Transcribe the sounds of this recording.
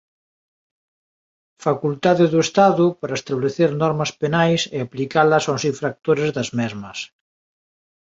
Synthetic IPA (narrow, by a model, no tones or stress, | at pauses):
fakult̪aðɪðuest̪aðʊpaɾɐest̪aβleθeɾnɔɾmɐspenajseaplikalɐsosiɱfɾak̚t̪oɾezðɐzmɛzmɐs